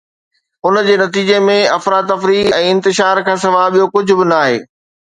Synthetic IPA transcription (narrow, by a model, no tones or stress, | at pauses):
ʊnd͡ʑeːnɐt̪iːd͡ʑemẽɐfɾaːd̪ɐfɾiːɛ̃ːɪ̃nt̪ɪʃaːɾkʰãːsɐʋaːɓijokʊd͡ʑʱʊ̆bɪnɐaːɦḛː